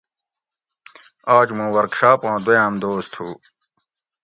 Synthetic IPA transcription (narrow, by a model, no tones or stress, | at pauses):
aːd͡ʑmũːwɐɾkɕaːpãːd̪jãːmd̪oːst̪ʰuː